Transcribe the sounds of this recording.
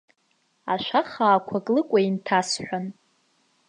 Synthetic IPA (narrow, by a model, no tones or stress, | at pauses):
aʃʷaχaːkʷʰakʼlɨkʷʼaintʰasħʷᶣan